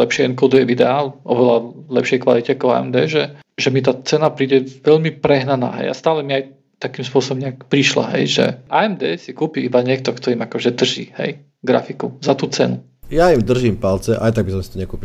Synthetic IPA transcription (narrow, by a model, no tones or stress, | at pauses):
lɛpʃɪɛɛnkɔd̪ujɛʋid̪ɛaːlʔɔʋɛlalɛpʃɪɛjkʋa̰licɛakɔʊa̰ɛ̰md̪ɛ̰ːʒɛ | ʒɛmit̪aːt͡sɛnapɾiːɟɛʋɛʎmipɾɛɦnana̰ːɦɛ̰ja̰st̪aːlɛmiaj | t̪akiːmspʊɔsɔbɔmɲɛakpɾiʃla̰ɦɛ̰jʒɛ̰ʔaɛmd̪ɛːsikuːpiibaɲɪɛk̚t̪ɔkt̪ɔimakɔʒɛd̪r̩ʒḭːhɛ̰j | ɡɾa̰fikuzat̪uːt͡sɛnu | jaimd̪r̩ʒimpalt͡sɛʔajt̪aɡ̚bis̬ɔmsi̥t̪ɔɲɛkuːpi